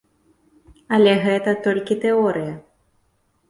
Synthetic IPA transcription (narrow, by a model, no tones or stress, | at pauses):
ɐlʲɛɣɛt̪ɐt̪ɔlʲkʲit̪ɛɔɾɨjɐ